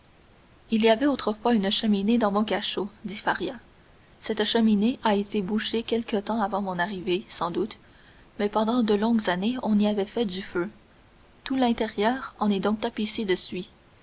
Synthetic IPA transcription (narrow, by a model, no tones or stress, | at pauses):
iliavɛot̪χəfwaynʃəmined̪ɑ̃mɔ̃k̬aʃod̪ifaʁja | sɛt̪ʃəmineʔaet̪ebuʃekʲɛlkət̪ɑ̃avɑ̃mɔ̃naʁivesɑ̃d̪ut̪ | mɛpɑ̃d̪ɑ̃d̪əlɔ̃ɡzaneɔ̃niavɛfɛd̪yfø | t̪ulɛ̃t̪eʁjœːʁɑ̃nɛd̪ɔ̃k̚t̪apised̪əsɥi